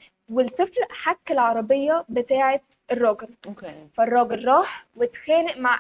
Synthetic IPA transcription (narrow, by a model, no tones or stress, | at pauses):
welt̪ˤɪflʔħakːelʕɑɾˤɑbejːɑbet̪aːʕe | erˤːɑːɡeɾokfærˤːɑːɡeɾːɑːħwet̪xæːleʔmaʕ